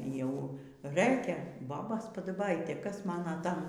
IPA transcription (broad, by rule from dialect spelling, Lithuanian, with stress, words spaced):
jɛʊ ˈrɘkʲɛ ˈboːboːs pɐdɐˈbɐɪtʲeː ˈkɐs ˈmɑːnɐ ˈtɐm